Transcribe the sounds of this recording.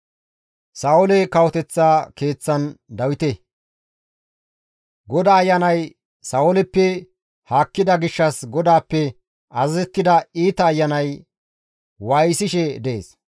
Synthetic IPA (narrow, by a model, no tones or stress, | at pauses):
saʊlɛkɐwɔt̪ɛt͡sːaːke̞ːt͡sːɐnd̪ɐwɪt̪ɛ | ɡɔd̪aːjːɐnɐj | sɐːʊlɛpːɛ | haːkːɪd̪ɐɡɪʃːɐsɡɔd̪aːpːɛ | ɐzɐzɛt̪ːɪd̪ɐiːt̪ɐːjːɐnɐj | waːjsɪʃɛd̪ɛḛːs